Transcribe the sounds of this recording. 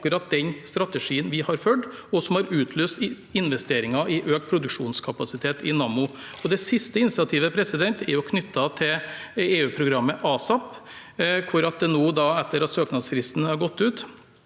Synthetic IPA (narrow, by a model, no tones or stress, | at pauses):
kʉɾɑt̪̚d̪ɛnst̪ɾɑt̪əʂiːənʋɪhɑɾfœɖɔsɔmhɑɾʉːt̪ʰløːst̪ | ɪnʋɛst̪eːɾɪŋɑʔɪʔøːk̚t̪pʰɾʊd̪ʉkʂuːnskʰɑpɑsɪt̪ʰeːt̪ɪnɑːmʊ | ɔd̪ɛsɪst̪əɪnsɑt̪ʰiːʋəpʰɾɛsɪd̪ɛnt̪ɛɾjɔkʰnʏt̪ːɑt̪ʰɪleːʉːpʰɾʊɡɾɑmːəʔɑːsɑp | kʰʊɾɑt̪̚d̪ɛnoːd̪ɑːɛt̪ːəɾɑt̪søːknɑd̪sfɾɪst̪n̩hɑɾɡɔt̪ːʉːt̪